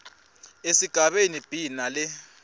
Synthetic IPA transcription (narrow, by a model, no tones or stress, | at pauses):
esiɡ̥ʱaɓenib̥ʱinalɛ